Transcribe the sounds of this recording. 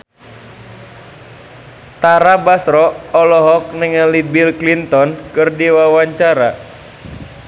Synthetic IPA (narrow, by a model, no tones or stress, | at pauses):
t̪aɾabasɾɔɔlɔɦɔk̚nɛŋalibilklint̪ɔnkɨrdiwawaɲt͡ʃaɾa